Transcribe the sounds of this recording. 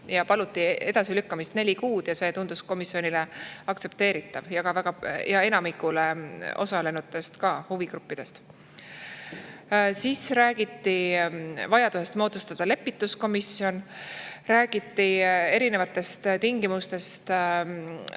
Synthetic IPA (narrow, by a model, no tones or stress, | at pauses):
jɑpɑlut̪ːˑie̞d̪̥ɑsilykːɑmist̪ne̞lʲikuːd̪̥jɑse̞ːt̪und̪̥usko̞misio̞nileɑk̚t̪se̞p̚t̪e̞ːɾit̪ːˑɑvjɑɡ̥ɑvæɡ̥ɑjɑe̞nɑmikːˑule̞o̞̰sɑle̞nut̪ːˑe̞st̪kɑːhuviɡɾupːid̪̥e̞st̪ | siːsɾæːɡ̥it̪ˑːi | vɑjɑd̪̥use̞st̪mo̞ːd̪̥ust̪ɑd̪̥ɑle̞pːˑit̪ːˑusko̞misio̞nɾæːɡ̥it̪ːie̞ɾine̞vɑt̪ːˑe̞st̪t̪iŋɡimust̪e̞st̪